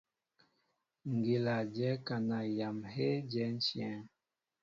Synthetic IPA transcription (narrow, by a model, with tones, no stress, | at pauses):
ŋ̩˨ɡi˨la˨d͡ʒɛ˦ka˨na˨ja˨mhe˦d͡ʒɛ˦n̩˦sjɛ˦ŋ